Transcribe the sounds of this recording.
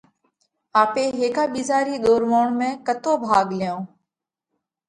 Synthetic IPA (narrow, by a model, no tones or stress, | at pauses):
aːpeːɦeːkaːɓiːzaːɾiːɗ̪oːɾʋoːɳmẽːkət̪oːbʱaːɡlɪjõː